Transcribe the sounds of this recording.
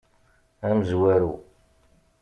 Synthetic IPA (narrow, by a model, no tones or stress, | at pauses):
æməzwæɾu